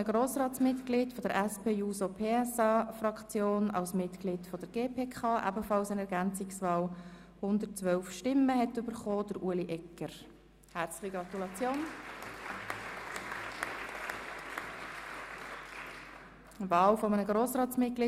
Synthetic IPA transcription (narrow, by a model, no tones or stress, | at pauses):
əɡ̥ɾoːsɾɑːtsmɪtkɡ̥lidfɔd̥əɾʔæspʰeːuːsopʰeːɛsɑːfɾɑkt͡sjoːnɑ̰lsmɪtɡ̥liːdfɔd̥əɾɡ̥eːpʰeːkʰχɑːʔæ̰bəfɑlsənɛɾɡænt͡sɪksvɑːl | hʊnd̪əɾtt͡sʋœlfʃtɪməhɛtʏb̥əɾχoːd̥əɾuəliʔɛkəɾ | hæɾt͡slɪ̥χiɡɾɑt̪ulɑt͡sjoːn | vɑːlfɔmənəɡɾoːsʁɑːtsmɪt̚ɡ̥li